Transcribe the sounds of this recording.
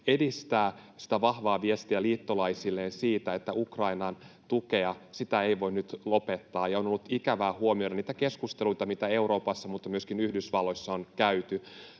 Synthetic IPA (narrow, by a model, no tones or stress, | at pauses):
edist̪æːsi̥t̪æʋɑhʋɑːʋiest̪iæliːt̪ːolɑjsilːeːnsiːt̪æet̪ːæʔukrɑinɑnt̪ukeɑsit̪æe̞iʋo̞innyt̪lo̞pet̪ːɑːjɑonolːut̪ikæʋæːhuomioɾɑniːt̪ækeskust̪eluit̪ɑmit̪æe̞uɾo̞ːpɑsːɑmut̪ːɑmyøskinyhdysʋɑlːo̞jsːɑonkæyt̪y